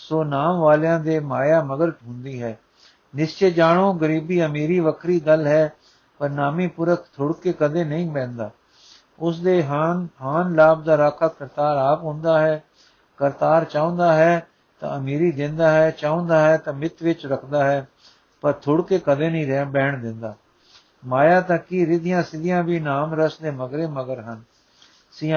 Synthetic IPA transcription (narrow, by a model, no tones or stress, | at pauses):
soːnaːmʋaːljãːd̪eːmaːjaːməɡəɾʈɦʊ̃nd̪iːɦɛː | nɪst͡ʃeːd͡ʒaːɽõːɡəɾiːbiːəmiːɾiːʋəkʰɾiːɡəlɦɛː | pəɾnaːmĩːpʊɾəkʰt̪ʰʊɽkeːkəd̪eːnəĩːbɛ̃ːnd̪aː | ʊsd̪eːɦɦaːnlaːb̚d̪aːɾaːkʰakəɾt̪aːɾaːpɦʊ̃nd̪aːɦɛː | kəɾt̪aːɾt͡ʃaːõnd̪aːɦɛː | t̪ã̰ːəmiːɾiːd̪ɪ̃nd̪aːɦɛːt͡ʃaːõnd̪aːɦɛːt̪ãːmɪt̪ʋɪt͡ʃɾəkʰd̪aːɦɛː | pəɾt̪ʰʊɽkeːkəd̪ẽːnĩːɾɛbɛːɳd̪ɪnd̪aː | maːjaːt̪ãkiːɾɪd̪ɪjãːsɪd̪ɪjãːʋiːnaːmɾəsd̪eːməɡɾeːməɡəɾɦən | sĩː